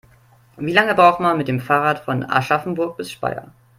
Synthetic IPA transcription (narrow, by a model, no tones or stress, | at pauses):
viːlaŋəbʁaʊxtmanmɪt̚d̥eːmfaːʁaːtfɔna̰ʃafn̩bʊɐk̚b̥ɪsʃpa̰ɪɐ̰